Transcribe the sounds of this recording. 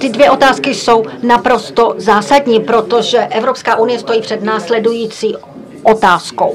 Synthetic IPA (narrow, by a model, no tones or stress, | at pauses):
t̪ɪdvjɛʔo̞t̪aːskɪso̞wnapɾo̞st̪o̞zaːsadɲiːpɾo̞t̪o̞ʒɛʔɛvɾopskaːʔunɪjɛst̪o̞jiːpr̥ɛd̪naːslɛdujiːt͡siː | ʔot̪aːsko̰w